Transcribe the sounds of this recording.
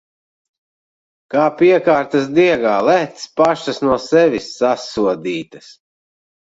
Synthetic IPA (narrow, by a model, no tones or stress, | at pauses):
kaːpiɛkaːɾt̪ɐsd̪iɛɡaːlæt̪spaʃɐsnuɔsɛvʲisːasuɔd̪iːt̪ɐs